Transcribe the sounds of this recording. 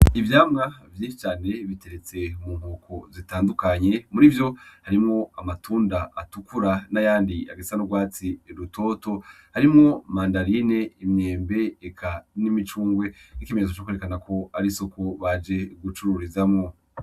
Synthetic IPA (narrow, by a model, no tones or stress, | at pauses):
ivjaːmŋavjiːnʃi̥t͡ʃaːne̞βite̞ɾe̞t͡se̞muːmhoːkʰozitaːndukaɲe̞muɾivjo̞haɾimŋo̞amatʰuːndaːtukuɾanajaːndia̰ɡesi̥anoɡwaːt͡siɾutʰo̞ːto̞ | haɾimŋo̞maːndaɾine̞imɲe̞ːmbe̞ːkʰanimit͡ʃuːŋɡwe̞nikimeɾezot͡ʃokweɾekanakʰo̞aɾiso̞kʰo̞βad͡ʒe̞ɡut͡ʃuɾuɾizamŋo̞